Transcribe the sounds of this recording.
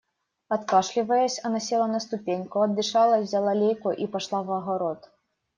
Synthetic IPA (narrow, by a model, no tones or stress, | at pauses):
ɐt̪kaʂlʲivɐjɛsʲɐnɐsʲɛlˠɐnɐst̪ʊpʲenʲkʊɐd̪ːɨʂalˠɐvzʲalˠalʲejkuʔipaʂlˠavɐɣaɾɔt̪